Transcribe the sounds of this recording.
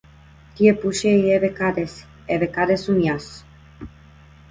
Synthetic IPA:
t̪iepuʃeieβekaɾes | eβekaɾesumjas

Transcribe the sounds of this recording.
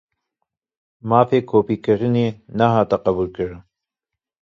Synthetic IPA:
mɑːfeːkʰoːpiːkɨɾɨneːnaɦɑːt̪ɐqɐbuːlkɨɾɨn

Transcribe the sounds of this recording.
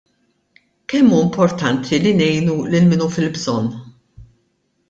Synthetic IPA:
kɛmːuːɪmpʰɔɾt̪ɐnt̪ʰilinɛjnulɪlmɪnufɪlbzɔnː

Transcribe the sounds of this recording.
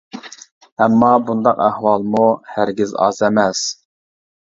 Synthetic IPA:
ɛmːɑbund̪ɑqæhwɑlˠmuhæɾɡʲizɑ̰zɛmɛs

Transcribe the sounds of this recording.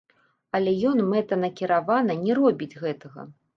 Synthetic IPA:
ɐlʲɛjɔnmɛt̪ɐnɐkʲiɾavanɐnʲɛɾɔbʲid͡zʲɣɛt̪ɐɣɐ̰

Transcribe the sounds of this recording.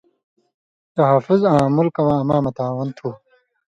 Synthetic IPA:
t̪ɐɦafuzãːmulkɐwãːɐmãːmɐt̪aːwɐnt̪ʰuː

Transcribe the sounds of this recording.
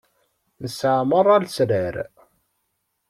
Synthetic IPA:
nəsʕmərˤælsɾæɾ

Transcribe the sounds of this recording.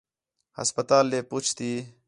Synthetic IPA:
hɐ̰spɐt̪aːlːeput͡ʃʰt̪i

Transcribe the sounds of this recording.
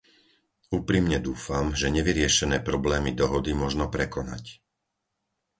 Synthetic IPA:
uːpɾimɲɛd̪uːfamʒɛɲɛʋiɾɪɛʃɛnɛːpɾɔblɛːmid̪ɔɦɔd̪imʊɔʒnɔpɾɛkɔna̰c

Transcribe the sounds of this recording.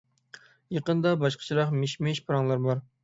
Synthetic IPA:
jeqənd̪ɑbɑʃqʰə̥t͡ʃʰiɾɑqmeʃmeʃpʰɨɾɑŋlˠɑɾbɑɾ

